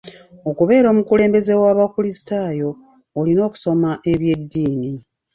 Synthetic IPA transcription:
o̞kuβe̞ːɾo̞ːmukule̞ːmbe̞ze̞waːβakulisi̥tajo̞ː | lino̞ːku̥so̞maʔe̞βje̞dːiːni

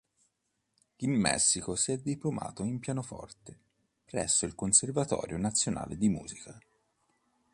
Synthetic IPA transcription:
imːɛ̰sːikosiɛd̪ːiploma̰ːt̪oimpjaːnofɔ̰rt̪e | pɾɛ̰sːoilkonservat̪ɔ̰ːɾjonat̪sːjona̰ːled̪imṵːzika

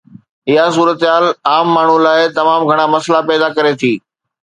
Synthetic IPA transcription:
ɪɦasuːɾət̪ɦaːlaːmːaːɳ̤ulaːɪt̪ɐmaːmɡʱɐɽ̃amɐslapɛːd̪akɐɾet̪ʰiː

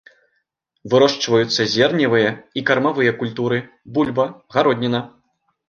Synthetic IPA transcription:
vɨɾɔʂt͡ʂvɐjut̪sːɐzʲɛrnʲivɨjɐikɐrmavɨjɐkulʲt̪uɾɨ | bulʲbɐɣaɾɔd̪ʲnʲinɐ

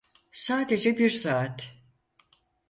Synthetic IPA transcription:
saːd̪e̞d͡ʒɛbiɾsaːt̪

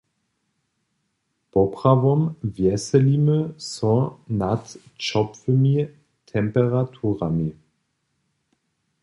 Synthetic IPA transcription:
pɔpʁ̥avɔmvjɛsɛliməsɔnatt͡ʃɔpfəmi | tʰɛmpɛʁatʰuːʁami

